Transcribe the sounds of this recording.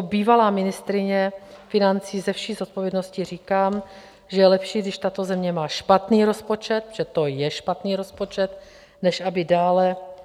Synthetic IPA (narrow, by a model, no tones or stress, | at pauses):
obiːvalaːmɪnɪst̪ɾɪɲɛfɪnant͡siːzɛfʃiːzot̪̚po̞vjɛdno̞scɪriːkaːm | ʒɛjɛlɛpʃiːɡdɪʃt̪at̪o̞zɛmɲɛmaːʃpat̪niːɾo̞spo̞t͡ʃɛt̪ʒ̥ɛt̪o̞jɛʃpat̪niːɾo̞spo̞t͡ʃɛt̪̚ | nɛʃʔabɪdaːlɛ